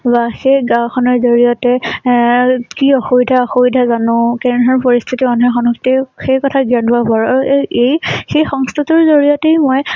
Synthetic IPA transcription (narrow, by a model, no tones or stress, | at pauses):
baxejɡãwkʰɔnɔɹzoɹijɔtɛ | kiɔxobidʱaɔxobidʱazanʊ̃kɛnɦɔɹpɔɹist̪ʰitiɔnɦɔxɔnɔktixejkɔtʰaɡianabɔɹaɹejxejxɔŋst̪ʰatɔɹzoɹiɔtejmɔj